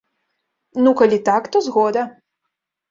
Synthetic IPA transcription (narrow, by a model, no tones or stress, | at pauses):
nukalʲit̪akt̪ɔzɣɔd̪ɐ